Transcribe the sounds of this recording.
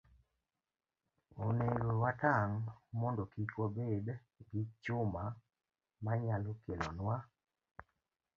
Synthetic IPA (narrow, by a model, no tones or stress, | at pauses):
oneɡowataŋmɔndɔkikwobed | ɡit͡ʃʊma | maɲalokelɔ̰nwa